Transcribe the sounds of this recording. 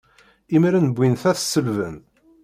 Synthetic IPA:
imiɾænəbʷːinθæθsːəlvə̰n

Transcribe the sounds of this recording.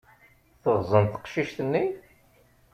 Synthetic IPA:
θəʁzˤənθə̥qʃiʃt̪ənːi

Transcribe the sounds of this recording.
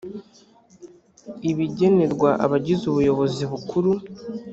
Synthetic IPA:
iβiɟe̞ne̞ɾɡwaʔa̰βaɟizuβujo̞βo̞ziβukʰuɾu

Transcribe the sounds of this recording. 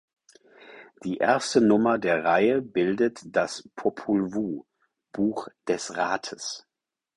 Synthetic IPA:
d̥iːʔḛːɐstənʊmɐdeːɐʁaɪəbɪldətd̥aspʰopʰulvuː | b̥uːxd̥ɛsʁaːtʰəs

